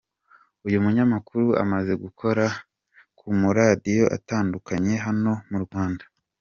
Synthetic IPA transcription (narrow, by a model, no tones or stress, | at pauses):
ujumuɲamakuɾuʔa̰maze̞ɡukʰo̞ɾa | kʰumuɾadijo̞ʔa̰taːndukaɲe̞ɦano̞muɾɡwaːndḁ